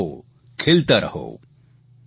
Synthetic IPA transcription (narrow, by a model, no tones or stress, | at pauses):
o | kʰelt̪əɾʔɐɦo̰ː